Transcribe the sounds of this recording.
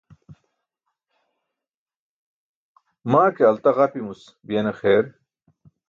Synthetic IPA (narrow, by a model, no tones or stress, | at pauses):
maːkeɐlt̪ɐʁɐpimus | bijenexeːɾ